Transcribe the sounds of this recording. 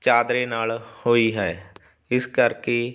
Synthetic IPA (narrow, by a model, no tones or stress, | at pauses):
t͡ʃaːd̪ɾeːnaːlhoːiːɦɛː | ɪskəɾkeː